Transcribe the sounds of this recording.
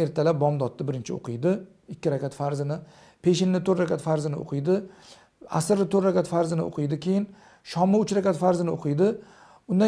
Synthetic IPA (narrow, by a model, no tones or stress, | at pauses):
e̞ɾt̪ʰalap̚bɒmd̪ɒt̪ʰːabɪɾɪnt͡ʃʰɪo̰qʰɨjd̪ɪ | ɪkʲʰːɪɾakʲat̪faɾzɪnɪ | pʰe̞ʃɪnːɪt̪ʰoɾɾakʲat̪faɾzɪnɪo̰qʰɨjd̪ɪ | a̰sɪɾɪt̪ʰoɾɾakʲat̪faɾzɪnɪo̰qʰɨjd̪ɪkʲʰejɪn | ʃɒmɪʊt͡ʃɾakʲat̪faɾzɪnɪoqʰɨjd̪ɪ | ʊnd̪ã